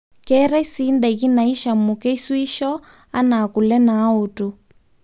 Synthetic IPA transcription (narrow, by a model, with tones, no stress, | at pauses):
kɛɾa˦i˦si˦ndɛ˨ɣi˦na˨i˦ʃa˨mu˨kɛ˦i˦swi˦ʃɔ˦ | a˦naː˨ku˨lɛ˦naː˦o˨tu˨